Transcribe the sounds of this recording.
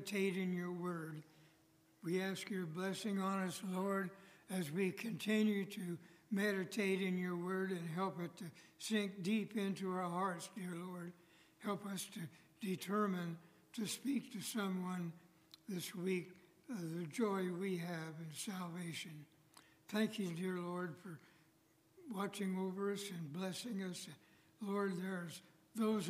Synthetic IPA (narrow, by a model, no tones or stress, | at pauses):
tʰeɪɾɨ̃njə˞wɜ˞d̚ | wiæskjə˞blɛsɪ̃ŋɑnɨsˡlɔɹɾɨzwikʰɨ̃ntʰɪ̃njʉɾɨmɛɾɨtʰeɪɾɨ̃njə˞wɜ˞ɾɨ̃nɦɛlˠpɨtʰɨsɪ̃ŋk̚d̥ipɪ̃ntuaə˞hɑɹtsd̥ɪɹlɔɹd̚ | hɛlˠpʌstʰɨ | d̥ɨtʰɜ˞mɨ̃n | tʰɨspik̚tʰɨsʌ̃mwʌ̃n | ðɪswik | ʌðɨd͡ʒɔɪwiɨvɨ̃nsælˠveɪʃɨ̃n | θæ̃ŋkʰjɨdɪɹlɔɹd̥fə˞ | wɑt͡ʃɪ̃ŋoʊvə˞ʌsɨ̃nblɛsɪ̃ŋʌs | lɔɹd̪̚ðə˞z | ðoʊz